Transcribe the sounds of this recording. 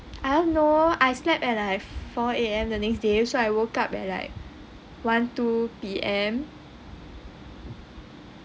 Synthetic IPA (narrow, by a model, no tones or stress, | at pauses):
ʔanoajslɛpɛ̃tlaɪkfɔeɛ̃mdənɛksdesoajwokapɛ̰̃la̰ɪk̚ | wãntupiʔɛ̃m